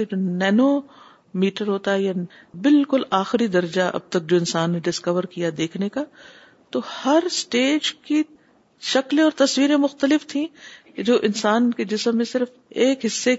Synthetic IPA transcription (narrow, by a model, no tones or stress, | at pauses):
ed͡ʒoːnɛːno | miːʈəɾɦoːt̪aɦɛja | bɪlkʊlaːxɪɾid̪ɐɾd͡ʒaʔɐ̰b̚t̪ɐk̚d͡ʒoːɪ̃nsaːnːeɖɪskəʋəɾkijad̪eːkʰneka | t̪ohɐɾsʈeːd͡ʒki | ʃɐklẽɔːɾt̪ɐsʋiːɾẽmʊxt̪əlɪft̪ʰĩ | d͡ʒoːʔɪnsaːnked͡ʒɪsəmːẽsɪɾf | eːkɦɪsːe